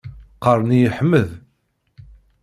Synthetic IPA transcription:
qəɾˤnijəħmːəð

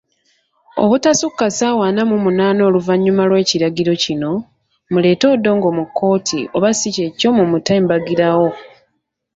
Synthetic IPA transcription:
o̰βutasukːasaːwaːnamumunaːno̞ːluvaɲːumalwe̞ːciɾaɡiɾo̞cino̞ | mule̞ːto̞ːdːo̞ːŋɡo̞ːmukʰːo̞ːtʰḭʔoβasice̞co̞mumutambaɡiɾawo̞

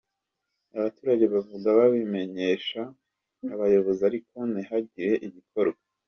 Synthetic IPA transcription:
aβatuːɾaɟe̞βavuɡaβaβime̞ɲe̞ʃaː | βajo̞βo̞ziaɾiko̞nihaɟiɾe̞ʔiβikʰo̞ɾɡwa

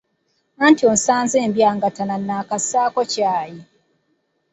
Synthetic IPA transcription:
antion̩saːnzembiaŋɡatananːaːkasaːkocaːji

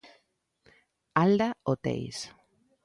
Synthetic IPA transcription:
ald̪aot̪ḛjs

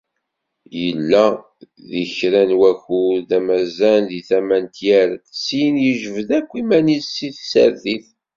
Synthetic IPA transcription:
jəlːæ | ðiçɾænwæçuðæmæzænðiθæmænt̪jæɾsinjəʒəvəðækʷːimænisiθsæ̰ɾθiθ

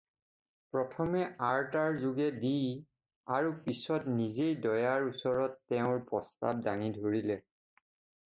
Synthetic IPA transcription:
pɹɔtʰɔmɛʔaɹtaɹzuɡɛdij | aɹupisɔtnizejdɔjaɹusɔɹɔtːɛʊ̃ɹpɹɔsta̰b̚daŋidʱoɹilɛ

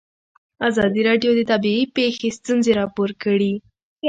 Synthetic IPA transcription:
azad̪iːɾaɖijod̪it̪abiipexist̪ɨnziɾapuɾkəɽiː

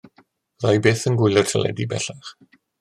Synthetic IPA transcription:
ðajbeːθənɡwɪjlˠə̥tʰəlɛ̰dibɛ̰ɬaχ

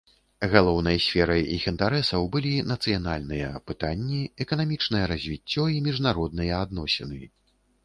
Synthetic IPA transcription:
ɣalˠɔwnɐjɐsʲfʲɛɾɐjixint̪aɾɛsɐwbɨlʲinɐt̪sɨjana̰lʲnɨjɐ̰pɨt̪anʲːiɛkɐnamʲit͡ʂnɐjɛɾɐzʲvʲit͡sʲːɔimʲiʐnaɾɔd̪̚nɨjɛad̪nɔsʲɛnɨ

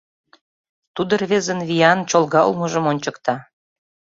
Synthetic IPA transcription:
t̪ud̪ə̆rβezə̆nβijɑnt͡ɕolɣɑ̰lmɤʒə̆monʲt͡ɕɤkt̪ɑ

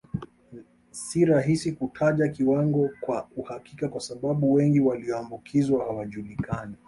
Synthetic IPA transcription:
siɾaɦisikutʰaʄakiwaŋɡɔkwauhakikakwasaɓaɓuwɛŋɡiwaliɔambukʰizwahawaʄulikʰani

